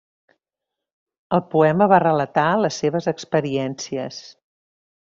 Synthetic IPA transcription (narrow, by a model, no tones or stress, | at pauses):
əlˠpuɛməβarələt̪aləsːeβ̞əzəkspəɾiɛnsiəs